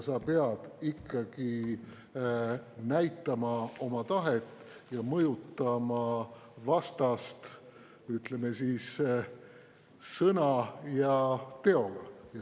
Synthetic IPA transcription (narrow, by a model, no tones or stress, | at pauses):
sɑpe̞ɑd̪̥ikːɑɡ̥i | næjt̪ːˑɑmɑo̞mɑt̪ɑɦet̪ːˑ | jɑmɤjut̪ːˑɑmɑvɑst̪ɑst̪ | yt̪le̞me̞siːs | sɤnɑjɑt̪e̞o̞ɡ̥ɑjɑ